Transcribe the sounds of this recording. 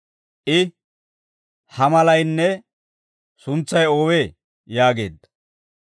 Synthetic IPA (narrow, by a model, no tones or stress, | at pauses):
ʔɪ | hɐmɐlɐjnːɛ | sʊnt͡sːɐjoːweː | jaːɡe̞̰ːd̪ːɐ̥